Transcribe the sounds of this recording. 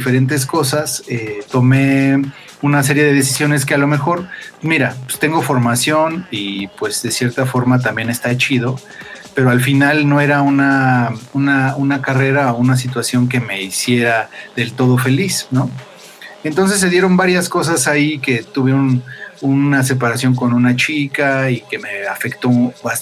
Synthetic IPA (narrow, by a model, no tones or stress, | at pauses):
ife̞ɾe̞nt̪̬e̞s̬ko̞saset̪o̞me̞ | unas̬e̞ɾje̞ð̞e̞ðe̞si̥sjo̞ne̞ske̞alo̞me̞xo̞ɾmiɾapest̪e̞ŋɡo̞fo̞ɾmasjo̞nipwe̞zðe̞sje̞ɾt̪afo̞ɾmat̪̬ambje̞ne̞st̪aet͡ʃiðo̞ | pe̞ɾo̞alfinalno̞e̞ɾaunaunaunakare̞ɾaounas̬it̪wasjo̞ŋk̬e̞me̞isje̞ɾaðe̞lt̪o̞ð̞o̞fe̞lisno̞ | e̞nt̪o̞ns̬e̞s̬ːe̞ð̞jeɾo̞mbaɾjasko̞s̬asaike̞t̪uβjeuonunas̬e̞paɾasjo̞ŋko̞nunat͡ʃikaike̞me̞afe̞kt̪o̞ba